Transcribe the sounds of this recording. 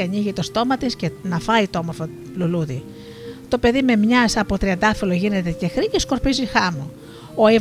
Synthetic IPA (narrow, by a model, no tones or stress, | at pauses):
ɐniʝit̪o̞st̪o̞mɐt̪iscenɐfɐit̪oomoɾfo | luluði | t̪o̞pe̞ðime̞mɲɐsɐpot̪ɾiɐnd̪ɐfiloʝine̞t̪e̞ce̞xɾicesko̞ɾpizixɐmu | oe